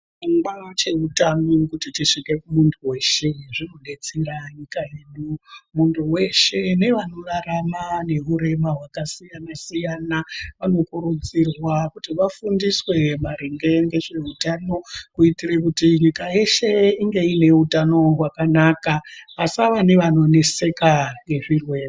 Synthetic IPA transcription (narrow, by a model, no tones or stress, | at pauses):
uŋɡat͡ʃe̞utamikutitiʂike̞kumuntʰuwe̞ʃe̞ʐino̞ɗe̞t͡siraɲikajeɗumuntʰuwe̞ʃe̞ne̞ʋano̞raɾamane̞ɦuɾe̞maɦwakasijanasijanaʋano̞kuɾud͡zirwakutiʋafundiswe̞maɾeŋɡe̞ŋɡe̞ʐe̞utano̞kuitirekutiɲikaje̞ʃe̞iŋɡe̞ine̞utano̞ɦwakanakaʋasaʋane̞ʋano̞ne̞se̞kaŋɡe̞ʐirwe̞ːe